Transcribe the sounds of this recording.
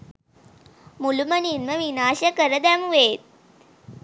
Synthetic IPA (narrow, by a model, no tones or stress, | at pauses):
mulumɐninmɐʋinaːɕɐkəɾəd̪æmuʋeːt̪̚